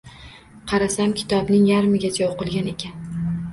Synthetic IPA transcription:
qʰɑɾasamkʲʰɪ̥t̪ʰɒbnɪŋjaɾmɪɡʲat͡ʃʰaoqɨlˠɡʲane̞kʲan

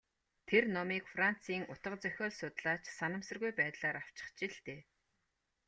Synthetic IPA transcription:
t̪ʰernɔmiːkfran̥t͡siːŋʊt̪ə̆qt͡sœxʲɔːɮsʊt̪ɮaːt͡ɕsanə̆msə̆rɣujpæːt̪ɮaːɾaw̥t͡ɕɪ̥̆χt͡ɕiɮt̪eː

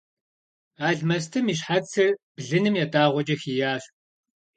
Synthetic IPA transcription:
aːɮmɐs̬tʰɨmiːɕ̬ħat͡sʰɨrb̥ɮɨnɨmjaːdaːʁʷɔd͡ʒʼɐxijaːɕ

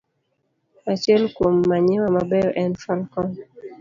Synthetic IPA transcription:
at͡ʃɛlkwomːaɲɪwamabɛɔʔɛnfalkɔn

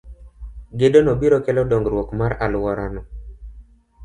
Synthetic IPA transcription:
ɡedonobiɾokelɔdɔŋɡɾwɔkmaɾalwɔɾanɔ

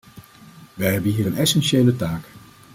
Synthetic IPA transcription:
ʋɛjɦɛbənɦiːɾənɛsɛnʃeːlətaːk

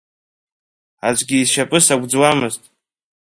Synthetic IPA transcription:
at͡ʃʷʼɡʲiːzʃapʼɨsaɡʷd͡zwamɨztʼ

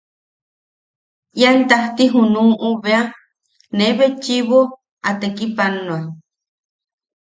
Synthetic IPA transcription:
ʔjant̪aht̪iɦunuːʔuβea | neβet͡ʃiβo | at̪ekipanoa

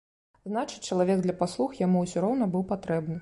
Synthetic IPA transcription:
znat͡ʂɨ̥t͡sʲt͡ʂːɐlˠavʲɛɡ̚d̪lʲɐpaslˠuxjamuwsʲɔɾɔwnɐbɨwpat̪ɾɛbnɨ

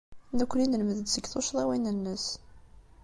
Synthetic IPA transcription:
nəkʷːninləməðəd̪səɡθʊʃðˤæwinənːəs

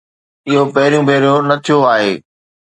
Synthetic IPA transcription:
ɪɦopɐɦɪɾijũbʱeːɾijonɐt̪ʰijoaːɦeː

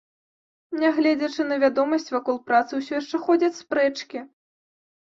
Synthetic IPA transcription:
nʲaɣlʲɛd͡zʲɐt͡ʂɨnɐvʲad̪ɔmɐsʲt͡sʲvakɔlˠpɾat̪sɨwsʲɔjaʂt͡ʂɛxɔd͡zʲɐt͡sʲspɾɛt͡ʂkʲi

